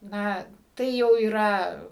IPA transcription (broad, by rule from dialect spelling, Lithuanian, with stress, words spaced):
ˈnɐ ˈtɐɪ jɛʊ iːˈrɐ